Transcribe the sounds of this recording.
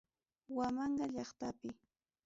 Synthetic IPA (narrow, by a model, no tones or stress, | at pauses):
wamɑɴɢɑʎɑχt̪apɪ